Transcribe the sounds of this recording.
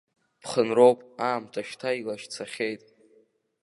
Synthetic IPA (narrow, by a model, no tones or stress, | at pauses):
pʰχənro̞wpʼaːmtʰaʃtʰailaʃt͡sʰaχʲejtʼ